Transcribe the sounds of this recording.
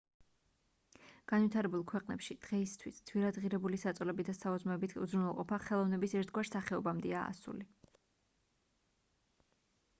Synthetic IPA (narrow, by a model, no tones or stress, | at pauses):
ɡ̥anvit̪ʰaɾɛbulˠkʰwɛqʼnɛ̰pʃid̪̥ʁɛist̪ʰwisd̪z̥wiɾad̪ʁiɾɛbulisat̪sʼlɛbid̪asaɔzmɛbit̪ʰṵzɾunvɛlˠqʼɔpʰaχɛlˠɔvnɛbisɛɾt̪ʰɡwaɾsaχɛɔbamd̪ɛaa̰sṵli